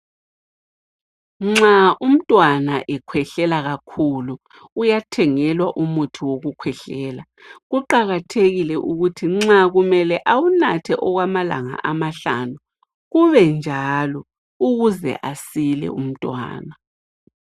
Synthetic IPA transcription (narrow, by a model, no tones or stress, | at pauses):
ŋ͡ǁaʔum̩tʼwanaʔɛkʰwɛɬɛlaɣakʰuluː | jatʰɛŋɛlwaʔumutʰiwoɣukʰwɛɬɛːla | ɣuǃaɣatʰeɣilɛʔuɣutʰiŋ͡ǁaɣumɛlɛʔawunatʰɛʔɔɣwamala̰ŋa̰ʔamaɬanu | ɣuβɛnd͡ʒʱalɔ | uɣuzɛ̰ʔasilɛ̰ṵm̩tʼwa̰ːna